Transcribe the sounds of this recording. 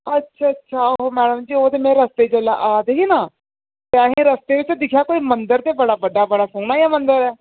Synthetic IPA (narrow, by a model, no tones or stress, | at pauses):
ətːʃʰaːətːʃʰaːɦoːmɛːɖəmd͡ʒiːoːt̪eːmɛ̃ːɾəst̪eːd͡ʒəlːa̰ːʔaːd̪eɦiːnaː | t̪eəɦẽːɾəst̪eːʋɪt͡ʃd̪ɪkʰjaːkoːiːmənd̪əɾt̪eːbəɽaːbəɖaːbəɽaːsoːɽ̃aːjaːmənd̪əɾɛː